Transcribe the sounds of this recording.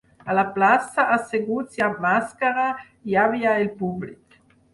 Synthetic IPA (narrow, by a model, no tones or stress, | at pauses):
alaplasaʔaseɡut͡sjamaskaɾa | javiailpublik